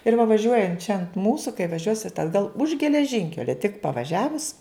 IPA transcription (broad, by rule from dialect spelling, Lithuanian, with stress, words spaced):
ɪr ʋɐ ʋɐˈʒʲuɔjɛnt t͡ʃʲɛ ɐnt ˈmuːsʊ kɐɪ ʋɐˈʒʲuɔsʲɪt ɐdˈɡɐlˠ ʊʃ ɡʲɛlʲɛˈʒʲɪŋʲkʲɛlʲɛ tʲɪk pɐʋɐˈʒʲæːʋʊs